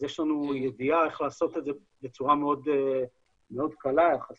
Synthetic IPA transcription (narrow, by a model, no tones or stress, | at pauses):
jeʃlanujed̪iae̞χlaːso̞t̪edze | be̞t͡suʁameo̞d̪ | meo̞d̪kalajaχa